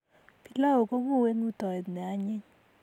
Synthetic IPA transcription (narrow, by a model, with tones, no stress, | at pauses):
pi˦la˦o˨ko˦ŋo˦˨we˦nu˦tɔ˨ɛ˨d̪nɛ˨a˨˦ɲɪ˦ɲ